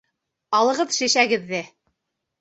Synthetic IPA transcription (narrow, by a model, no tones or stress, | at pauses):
ɑlˠɤ̆ʁɤðʃæʃæɡɘ̆ðːɘ